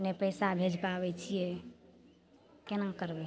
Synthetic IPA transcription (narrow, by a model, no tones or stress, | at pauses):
nepəjsabʱed͡ʒpabɛt͡ʃʰijɛ | kenakəɾbɛ